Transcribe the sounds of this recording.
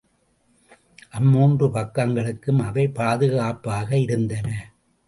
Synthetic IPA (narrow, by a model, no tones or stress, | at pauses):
ʔɐmːuːndrɯpɐkːɐŋɡɐɭɯkːɯmɐʋɐɪpaːðɯɣaːpːaːɣɐɪɾɯnd̪ɐnɐ